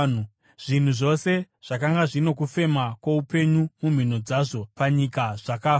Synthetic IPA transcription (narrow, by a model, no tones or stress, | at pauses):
nu | ʐ̥in̤uʐo̞se̞ | ʐ̥akaŋɡaʐino̞kufe̞makwaupe̞ɲumum̤in̤o̞d͡zaʐo̞paɲikaʐ̥akaː